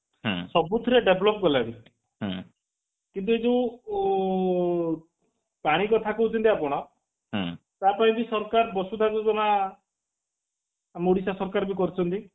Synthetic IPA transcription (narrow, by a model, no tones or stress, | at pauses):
ɦsɔbut̪ʰɾeɖebɔlɔpɔɡɔlaɾi | ɦ | kint̪̬ued͡ʒẽ | paɽ̃ikɔt̪ʰakuut͡ʃʰɔnt̪iapɔɽ̃ɔ | ɦ | t̪apaĩbisɔɾkaɾbɔsud̪aɡud͡ʒɔna | moɽisasɔɾɔkaɾɔbikɔɾit͡ʃʰɔnt̪i